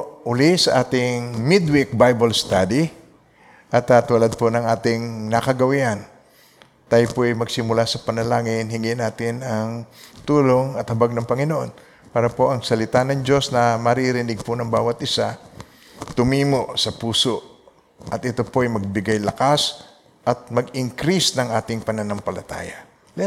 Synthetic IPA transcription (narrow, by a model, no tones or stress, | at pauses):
ʔʊlɪsɐʔaːt̪ɪŋmɪd̪wik̚bajbɐlst̪aːd̪i | ʔɐt̪at̪uːlad̪̚ponɐŋaːt̪ɪŋnɐkɐɡɐwiʔan | t̪aːjpoʔɐjmɐɡsɪmʊlasɐpɐnɐlaːŋɪnɦɪŋɪnaːt̪ɪnɐŋt̪uːlo̞ŋɐt̪hɐbaɡ̚nɐŋpɐŋɪnoʔo̞n | paːɾɐpo̞ʔɐŋsɐlɪt̪anɐŋd͡ʒo̞snɐmɐɾiɾɪnɪɡ̚ponɐŋbaːwɐt̪̚ʔɪsa | t̪ʊmiːmo̞ʔsɐpuːsoʔ | ʔɐt̪̚ʔɪt̪o̞po̞ʔɐjmɐɡ̚bɪɡajlɐkas | ʔɐt̪̚mɐɡɪŋkɾisnɐŋʔaːt̪ɪŋpɐnɐnoŋpɐlɐt̪a̰ːja